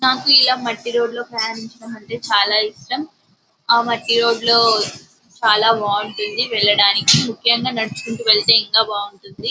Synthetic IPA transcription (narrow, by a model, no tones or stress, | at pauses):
naːkuilaːmɐʈːiɾo̞ːɖlo̞ːpɾɐjaːɾɐmiɲt͡ʃinɐmɐɳʈe̞ːt͡ʃaːlaːiʂʈɐm | aːmɐʈːiɾo̞ːɖlo̞ː | t͡ʃaːlaːbaːuɳʈund̪iʋɛɭːɐɽaːnikimukʰːjɐŋɡaːnɐɽut͡ʃu̥kuɳʈuʋɛɭt̪e̞ːiŋkaːbaːuɳʈund̪i